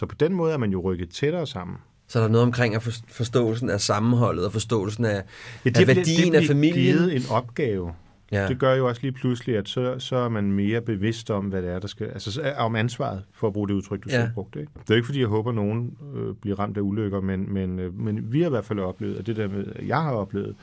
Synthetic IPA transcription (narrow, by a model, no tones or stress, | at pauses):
sɒ̽pʰɒ̽d̥enmɔ̽ːð̞̩ˠæɐmænjo̝ʁœɡ̥ð̩ˠt͡sʰeɾ̥ɐːsɑ̈m̰n̩ | sɒdɾɑnoːð̩ˠmkʰʁeŋ̰æffɒ̽sd̥ɔ̰ːl̩s̬n̩æsɑ̈mn̩ɦɒ̽l̰ð̩ˠɒfɒ̽sd̥ɔ̰̽ːl̩sn̩æedeʋæɐd̥ḭ̥enæfæmḭið̩ˠe̝nɒ̽b̥̚ɡ̥ɛːʊ | d̥e̝ɡ̥ɶɐjo̝ɒ̽sliːpʰlusliæd̥sɒ̽sɒ̽æɐmænme̝ːɐb̥e̝ʋe̝sd̥ɒ̽mʋæɾ̥eæɐɾ̥ɑ̈sɡ̥æælsəɒmænsʋɑ̰̈ð̩ˠfɒ̽ːb̥ʁuːd̥euðˠt͡sʰʁœɡ̥̚d̥usæb̥ʁɔ̽ɡ̥d̥eeɡ̥d̥e̝oeɡ̥fɒd̥ḭjɑɪɦɔ̽ːb̥ɐno̝ːn̩øb̥liɐʁɑ̈m̰d̥æuløɡ̥ɐmenmenømenʋihɑ̈iʋæɐd̥fæl̰ɒ̽b̥le̝̰ːʊð̩ˠɒd̥e̝d̥eɐ̰meðˠjɑ̈ɪhɑ̈ɒ̽b̥le̝̰ːʊð̩ˠ